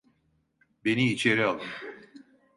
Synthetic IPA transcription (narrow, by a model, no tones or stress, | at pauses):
be̞niːt͡ʃʰeɾialˠɯm